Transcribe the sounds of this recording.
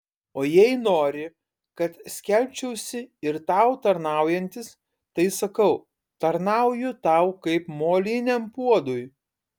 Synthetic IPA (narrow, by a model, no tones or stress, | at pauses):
oːjɛɪnoːɾʲɪ | kɐt̪sʲkʲɛlʲpʲt͡ʃʲɛʊsʲɪɪɾt̪ɑʊt̪ɐɾnɑˑʊjɛnʲt̪ʲɪs | t̪ɐɪsɐkɐʊ | t̪ɐɾnɑˑʊjʊt̪ɑˑʊkɐɪpmoːlʲɪnʲɛmpuɔd̪ʊj